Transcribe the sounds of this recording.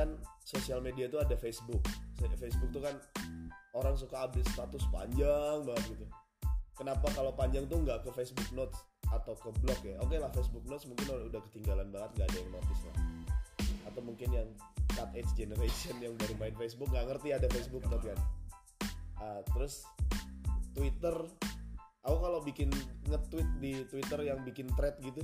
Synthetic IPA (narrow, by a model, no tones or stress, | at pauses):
ansosialmediat̪uadafesbʊk̚sfesbʊk̚t̪ukan | oɾaŋs̬ukaːbɪst̪at̪ʊspa̰ɲd͡ʒaŋbaŋət̪̚ɡit̪u | kənapakalowpaɲd͡ʒaŋt̪uŋɡaʔkəfesbʊk̚not̪s | at̪awkəblɔkjaokelahfesbuk̚not̪smuŋkɪnoɾaŋudahkə̥t̪iŋɡalanbaŋət̪̚ŋɡaːdajaŋnot̪ɪsla̰h | at̪awmuŋkɪnjaŋ | kat̪et͡ʃd͡ʒenəɾesiənjaŋbaɾumaɪnfes̬bʊk̚ŋɡaʔŋərt̪iadafesbʊk̚not̪̬kan | ət̪əɾʊs | t̪wit̪ər | aukalobikɪnŋət̪ːwɪt̪̚dit̪wit̪ərjaŋbikɪnt̪ɾɛt̪̚ɡit̪u